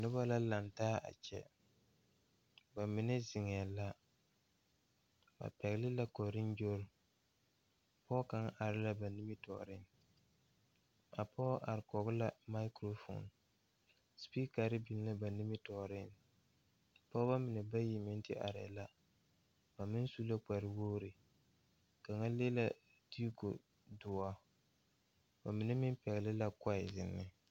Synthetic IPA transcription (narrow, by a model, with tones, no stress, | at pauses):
nʊ˦ba˦la˦la˨ntaː˦ʔa̰˨t͡ʃɛ̰˨ | ba˨mɪ˨nɛ˦zɪ˨ŋɛ˨la˦ | ba̰˨pɛ˨ɣlɪ˦la˦ko˨ɾɪ˦n˦d͡ʒo˦ɾʊ˨ | pɔː˦ka˨˦ŋ˦ʔa˨ɾɪ˦la˦ba˨ni˦mi˦tɔ̰˨ɾɪ˦n˨ | a˨pɔː˦ʔa̰˨ɾɪ˨kɔ˨ɣʊ˦la˦ma˦ɪ˦kɾo˦fo̰˨n | spi˦ka˨ɾɪ˦bi˨n˦la˦ba˨ni˦mɪ˦tɔ˨ɾɪ˦˨n | pɔ˦ba˦mɪ˨nɛ˨ba˦ji˨mɪ˦n˦tɪ˦ʔa̰˨ɾɪ̰˨˦la˦ | ba˨mɪ˦n˦su˦la˦k͡pa˨ɾɪ˨woː˦ɾɪ˨ | ka˨ŋa˦le˦la˦ | di˦ko̰˨ | dʊ˨a˦ | ba˨mɪ˨nɛ˦mɪ˦mpɛ˨ɣɪ˨lɪ˦la˦ka˦ɪ˨zɪ˨nːɪ˦